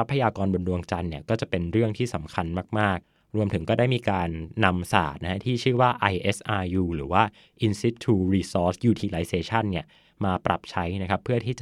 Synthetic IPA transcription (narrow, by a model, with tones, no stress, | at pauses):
sa˦˥pʰːa˧jaː˧kɔː˧nbo˧ndu˧əŋt͡ɕa˧nːi˥˩ɐkɔː˥˩t͡ɕa˨˩pe˧nɾɯ˥˩əŋt̪ʰiː˥˩sa˩˦mkʰa˧nmaː˥˩k̚maː˥˩k̚ | ɾu˧əmt̪ʰɯ˩˦ŋkɔː˥˩daː˥˩jmiː˧kaː˧nːa˧msa̰ː˨˩t̪̚na˦˥kʰa˦˥t̪ʰiː˥˩t͡ɕʰɯː˥˩waː˥˩ʔa˧jʔe˦˥sʔaː˧juː˧ɾɯː˩˦waː˥˩ | ʔi˧nsi˦˥t̪ʰːuː˧ɾiː˧sɔː˦˥sjuː˧t̪ʰiː˧la˦˥jseː˧t͡ɕʰa˥˩nːi˥˩ɐ | maː˧pɾa̰˨˩p̚t͡ɕʰa˦˥jna˦˥kʰa˦˥pʰːɯ˥˩ɐt̪ʰiː˥˩t͡ɕa˨